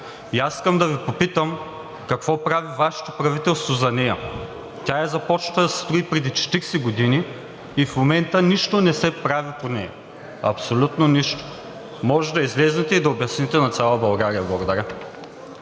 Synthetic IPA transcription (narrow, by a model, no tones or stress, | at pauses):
iasi̥skɐmd̪ɐvipopit̪əm | kɐkv̥ɔpɾavivaʃo̥t̪o̥pɾɐvit̪ɛlˠst̪vozɐnɛjɐ̰ | t̪ʲajɐzɐpɔt͡ʃ̪ɐd̪ɐsst̪ɾoipɾɛd̪it͡ʃɛ̥t̪iɾsɛɡod̪iniː | fmomɛnt̪əniʃt̪onɛsɛpɾaviponɛ̰jɐ̰ | ɐ̰psolʲut̪noniʃt̪o̥ | mɔʒɛd̪ɐizlɛznɛt̪ɛid̪ɐobjɐsnit̪ɛnɐt̪sʲalˠɐbɐlˠɡaɾijɐblˠɐɡod̪ɐɾʲa